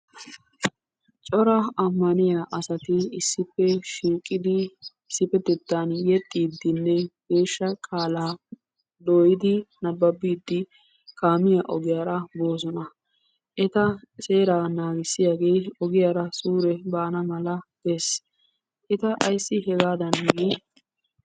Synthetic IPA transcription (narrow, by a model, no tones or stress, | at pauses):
t͡ʃʼɔɾɐɐmːɐnɪjaːʔɐsɐt̪ɪɪsːɪpːɛʃiːkʼːɪd̪ɪ | ɪsːɪpːɛd̪ɛt̪ːanjɛt̪ʼːiːd̪ːɪnːɛɡ̥e̞ːʃːɐkʼaːlaː | d̪oːjɪd̪ɪnɐbːɐbːiːd̪ːɪ | kaːmɪjaʔɔɡɪjaːɾɐbo̞ːzɔnɐ | ʔɛt̪ɐse̞ːɾaːnaːɡɪsːɪjaːɡejɔɡɪjaːɾɐsuːɾɛbaːnɐmɐlɐbes | ʔɛt̪ɐʔɐjsːɪɦɛɡaːd̪ɐnɡeː